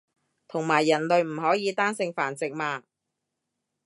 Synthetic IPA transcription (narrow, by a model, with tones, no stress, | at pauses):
t̪ʰʊ˨˩ŋmaː˨˩jːɐ˨˩nlɵ˨ɥm̩˨˩ɦɔː˨˥jiː˨˧t̪aː˥nsɪ˧ŋfaː˨˩nt͡sɪ˨k̚maː˧